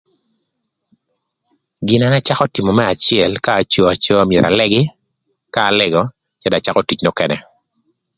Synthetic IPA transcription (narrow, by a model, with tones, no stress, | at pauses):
ɡɪ˨na˦na˦t͡ʃa˦kɔ˦ti˨mɔ˨mɛ˦a˨t͡ʃɪɛ˨lkaː˦˨t͡ʃɔ˦a˨t͡ʃo˦a˦mjɛ˨ɾʔa̰˨lɛ˦ɡɪ˦ | kaː˦˨lɛ˦ɡɔ˨ | t͡ʃɛ˦da˨t͡ʃa˦kɔ˦ti˨t͡ʃno˦kɛ˨nɛ˨